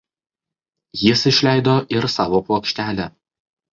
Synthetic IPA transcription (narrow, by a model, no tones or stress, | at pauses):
jɪsɪʃʲlʲæˑɪd̪oːʔɪɾsɑːʋopoɔkʃʲt̪ʲæːlʲæ